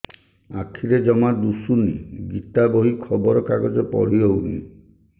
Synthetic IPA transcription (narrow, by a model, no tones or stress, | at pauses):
akʰiɾed͡ʒɔmad̪usunḭɡit̪abɔɦikʰɔbɔɾɔkaɡɔd͡ʒɔpɔ̰ɽ̤iɔunḭ